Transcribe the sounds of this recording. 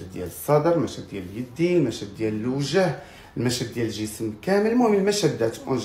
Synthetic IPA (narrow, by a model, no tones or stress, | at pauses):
d̪̚d̪jæ̰ləsˤːɑd̪əɾlmæʃæd̪̚d̪jæləljəd̪ːinmæʃæd̪̚ːjæləlwʒæh | əlmæʃæd̪̚ːjæləlʒəsmkæməlmumənəlmæʃæd̪ːæt̪ʔʊnʒ